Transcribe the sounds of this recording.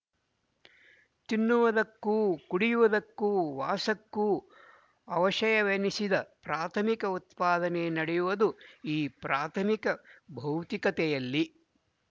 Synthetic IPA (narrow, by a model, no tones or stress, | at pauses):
t̪inːuʋɐd̪ɐkːuːkuɽijuʋɐd̪ɐkːuːʋaːsɐkːuː | ɐʋɐʃɐjɐʋenisid̪ɐpɾaːt̪ʰɐmikɐut̪̚paːd̪ɐnenɐɽɛjuʋɐd̪uiːpɾaːt̪ʰɐmikɐbʱɐwt̪ikɐt̪ɛjɐlːi